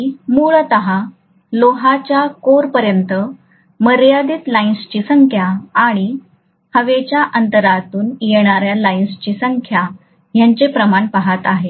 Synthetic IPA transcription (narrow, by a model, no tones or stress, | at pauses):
muɭt̪əɦa | loɦat͡ɕjakoɾpəɾjənt̪ə | məɾjad̪iːt̪lainst͡ɕiːsəŋkʰjaːɽ̃i | həʋet͡ɕjaʔənt̪əɾat̪uːnjeɳ̃aɾjalainst͡ɕiːsəŋkʰja | jaɲt͡ɕepɾəmaɳpaɦat̪aɦe